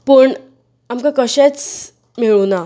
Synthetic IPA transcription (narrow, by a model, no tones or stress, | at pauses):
pəɳ | amkakəɕet͡s | miɭuna